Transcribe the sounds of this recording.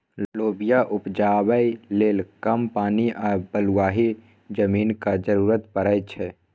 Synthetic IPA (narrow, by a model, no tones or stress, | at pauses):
loːbijaʔʊpd͡ʒaːwəileːlkɐmpaːniʔɔːɾbəluwaːɦi | d͡ʒəmiːnkad͡ʒəɾuːɾət̪pəɾəjt͡ʃʰɛ